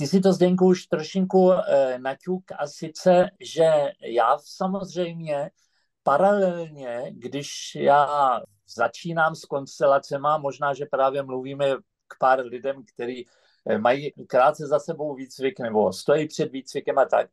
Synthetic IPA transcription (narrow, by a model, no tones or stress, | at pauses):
t̪ɪsɪt̪̬o̞zdɛjŋkuuʃt̪ɾoʃɪŋkunacukasɪt͡sɛʒɛjaːsamozr̝ɛjmɲɛ | paɾalɛlɲɛɡdɪʃjaː | zat͡ʃiːnaːmsko̞nst̪ɛlat͡sɛmamo̞ʒnaːʒɛpɾaːvjɛmluviːmɛ | kpaːɾlɪdɛmkt̪ɛɾiː | majiːkɾaːt̪̚t͡sɛzasɛbo̞wviːt͡svɪknɛbo̞̰st̪ojiːpr̝̥ɛd̪viːt͡svɪkɛmat̪a̰k̚